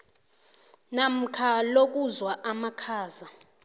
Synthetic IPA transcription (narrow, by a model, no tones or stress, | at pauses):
nam̩kʰalok̬uzwaʔamakʰaːza